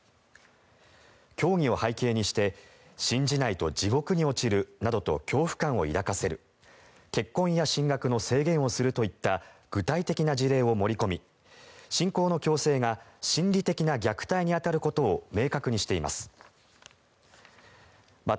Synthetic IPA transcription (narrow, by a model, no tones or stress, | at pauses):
kʲo̞ːŋ̟ʲio̞haike̞ːɲ̟iɕi̥t̪e̞ | ɕĩɲ̟d͡ʑinait̪o̞̰d͡ʑiɡo̞kɯ̟ɲ̟io̞t͡ɕiɾɯ̟nad̪o̞t̪o̞̰kʲo̞ːɸɯ̟̥kãɰ̃o̞ḭɾakase̞ɾɯ̟ | ke̞kːõ̞ɰ̃jaɕĩŋɡakɯ̟no̞se̞ːɡẽ̞ɰ̃o̞sɨɾɯ̟t̪o̞it̪ːaɡ̥ɯ̟t̪ait̪e̞kʲinad͡ʑiɾe̞ːo̞mo̞ɾʲiko̞mʲi | ɕĩŋko̞ːno̞kʲo̞ːse̞ːŋaɕĩnɾʲit̪e̞kʲinaɡʲakɯ̟̥t̪aiɲ̟iat̪aɾɯ̟ko̞t̪o̞ːme̞ːkakɯ̟ɲ̟iɕi̥t̪e̞ima̰sɨ̥ | ma